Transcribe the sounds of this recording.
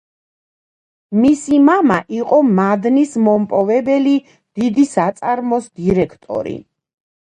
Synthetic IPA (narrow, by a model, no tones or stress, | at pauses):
misimamaʔiqʼɔmad̪nismɔmpʼɔvɛbɛli | d̪̥id̪isat̪sʼaɾmɔsd̪iɾɛkʰt̪ʼɔ̰ɾḭ